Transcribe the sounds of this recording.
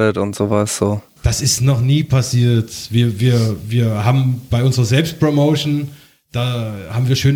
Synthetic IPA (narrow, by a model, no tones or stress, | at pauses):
ətʊntz̥oːvasz̥oː | d̥asɪstnɔχniːpʰasiːɐtv̥iːɐviːɐviːɐɦaːbm̩b̥aɪʔʊnzəʁɐzɛlpst̚pʁ̥omoʊʃn | d̥aːhaːbm̩viːɐʃøːn